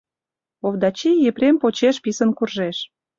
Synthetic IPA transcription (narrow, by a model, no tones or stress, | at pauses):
ovd̪ɑt͡ɕijeprʲempot͡ɕeʃpisənkurʒeʃ